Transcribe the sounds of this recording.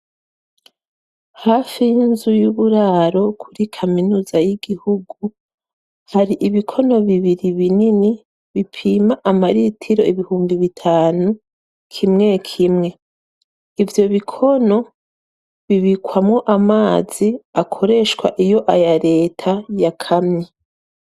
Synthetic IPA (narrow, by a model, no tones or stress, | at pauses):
hafijinzujuβuɾaːɾo̞kʰuɾikʰaminuːzajiɡ̥ihuɡu | haɾiʔiβikʰo̞no̞βiβiɾiβinini | βipʰiːmaʔamaɾitʰiɾo̞iβihuːmbiβitʰaːnu | kʰimŋe̞kʰimŋe̞ | ivjo̞βikʰo̞no̞ | βiβikwamŋo̞ʔamaːz̥iakʰo̞ɾe̞ʃkwa̰ʔijo̞ʔajaɾe̞ːtʰajakʰamɲe